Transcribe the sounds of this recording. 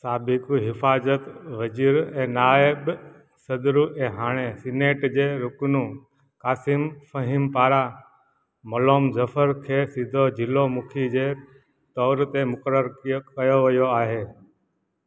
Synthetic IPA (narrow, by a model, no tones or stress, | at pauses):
saːbɪkuɦɪfaːzət̪ʋəziːɾɛ̃ːnaːɪɓ | səd̪ɾuːʔẽːɦaːɽ̃esɪneːʈd͡ʑeːɾʊknũː | kaːsɪmfəɦɪmpaːɾa | məloːmzəfʰəɾkʰeːsid̪ʱod͡ʒʱɪlomʊkʰid͡ʑeː | t̪ɔːɾt̪emʊkəɾəɾkəjoʋɐjoaːɦeː